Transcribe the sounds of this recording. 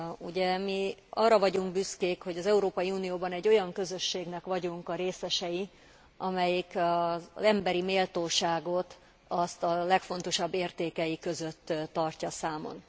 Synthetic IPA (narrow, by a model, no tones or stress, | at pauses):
uɟɛmiɒrːɒvɒɟuŋɡbyskeːkho̞ɟɒzɛuɾoːpɒjiuːnijoːbɒnɛɟːo̞jɒŋkø̞zø̞ʃːeːɡnɛkʋɒɟuŋkɒɾeːsɛʃɛji | ʔɒmɛjikɒzɛmbɛɾimeːlt̪oːʃaːɡo̞t̪ | ɒst̪ɒlɛkfo̞nt̪o̞ʃɒbːeːrt̪eːkɛjikø̞zøt̪ːɒrcɒsaːmo̞̰n